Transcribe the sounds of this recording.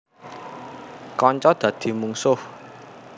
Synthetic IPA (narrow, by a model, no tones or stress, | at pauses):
kɔɲt͡ʃɔd̪̥ä̤d̪̥i̤muŋsʊh